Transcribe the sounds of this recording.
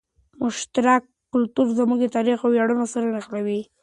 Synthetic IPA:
mʊʃt̪aɾakːʊlt̪uɾzamuɡet̪ɑɾixawjaɽunosaɾanaxlawi

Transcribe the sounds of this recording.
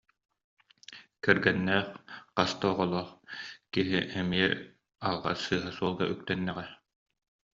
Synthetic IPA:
kɛɾɡɛnːɛːχqast̪ɔːʁɔlˠɔːχkiɦḭʔɛmiɛ | alˠʁa̰sɯːɦasuɔlˠɡaʔyk̚t̪ɛnːɛʁɛ

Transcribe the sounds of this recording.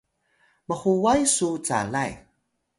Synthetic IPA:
məχuwajsut͡sa̰laj

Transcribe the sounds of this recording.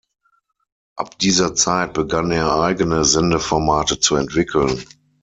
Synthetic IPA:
ʔa̰p̚d̥iːzɐt͡saɪt̚b̥əɡaneːɐʔaɪɡənəzɛndəfɔɐmaːtət͡suɛntv̥ɪkʰl̩n

